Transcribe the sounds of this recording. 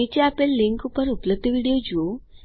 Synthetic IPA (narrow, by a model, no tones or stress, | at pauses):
it͡ɕeapelːiŋkupəɾupləb̚d̪iʋiɽijod͡ʑuo